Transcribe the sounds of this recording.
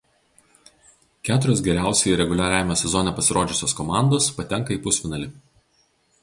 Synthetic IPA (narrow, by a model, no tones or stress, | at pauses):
kʲæːt̪ʊɾʲoːs̬ɡʲɛɾʲæˑʊsʲɛiɾʲɛɡʊlʲæːɾʲæːʋʲɪmʲoːsʲɛzɔnʲɛpɐsʲɪɾoːd͡ʒʲɪsʲoːskɔmɑˑnd̪oːspɐt̪ʲɛŋˑkɐiːpʊsʲfʲɪnɐlʲɪ